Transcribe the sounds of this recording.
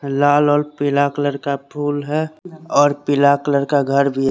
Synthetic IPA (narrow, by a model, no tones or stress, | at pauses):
laːlɔːɾpɪlaːkləɾkapʰuːlɦɛɔːɾpɪlaːkləɾkaɡʱəɾbʱi